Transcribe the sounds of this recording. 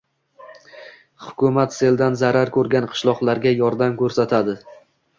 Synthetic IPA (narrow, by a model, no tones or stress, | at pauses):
hʊ̥kʲʊmat̪se̞ld̪anzaɾaɾkʰɵɾɡʲanqʰɨ̥ʃlˠɒqlˠaɾɡʲajɒɾd̪amkʲʰɵɾsat̪ʰad̪ɪ